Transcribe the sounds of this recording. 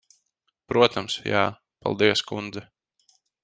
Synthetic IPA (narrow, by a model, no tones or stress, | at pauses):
pɾuɔt̪amsja̰ː | pa̰lˠd̪iɛskund̪zɛ